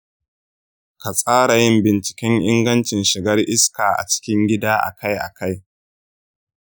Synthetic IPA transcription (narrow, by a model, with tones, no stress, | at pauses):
ka˨sʼaː˦ɽa˨jɪ˦mbɪ˨nt͡ʃɪ̥˨kʲɛ˦ŋʔɪ˦ŋɡɐ˦nt͡ʃɪ˨nʃɪ˨ɡɐ˦rʔɪ˦skaː˨ʔa̰˨t͡ʃɪ̥˦kʲɪ˦ŋɡʲɪ˦daː˦ʔa̰˨ka˦jʔa̰˨ka˦j